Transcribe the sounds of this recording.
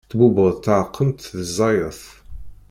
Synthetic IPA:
t̪bubəðˤt̪ʕqʰːəmt̪ðəzˤːɑjəθ

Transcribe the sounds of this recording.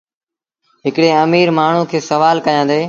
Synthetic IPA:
ɦɪkɽeːəmiːɾmaːɳ̤ũːkʰeːsəʋaːlkəjãːd̪eː

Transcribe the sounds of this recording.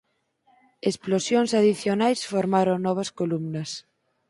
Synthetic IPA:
esplosjoŋsaðiθjonajsfoɾmaɾoŋnɔβ̞ɐskolumnɐs

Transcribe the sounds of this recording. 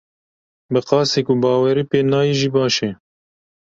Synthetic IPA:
bɨqɑːseːkuːbɑːwɛɾiːpeːnɑːjiːʒiːbɑːʃeː

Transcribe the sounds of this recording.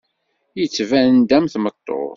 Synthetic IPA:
jət͡sːvænd̪æmθmət̪ˤːo̰

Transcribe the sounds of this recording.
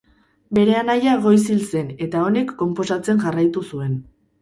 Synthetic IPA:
be̞ɾe̞anajaɣo̞js̬ilse̞ne̞t̪ao̞ne̞kːo̞mpo̞sat͡se̞nʝarajt̪usue̞n

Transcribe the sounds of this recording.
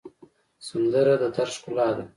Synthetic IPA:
sand̪əɾad̪ət̪aɾʃkʊlɑːd̪a

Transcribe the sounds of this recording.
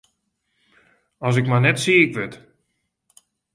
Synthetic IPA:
ɔs̬ɪkmajnɛtsiɪkʋɪt

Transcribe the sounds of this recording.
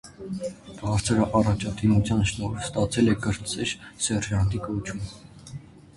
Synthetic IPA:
b̥ɑɾt͡sʰəɾəʔɑrɑt͡ʃʰɑd̪imut͡sʰjɑnʃnɔɾst̪ɑt͡sʰɛlɛɡəɾt͡sɛɾsɛrʒɑnt̪ikɔt͡ʃʰum

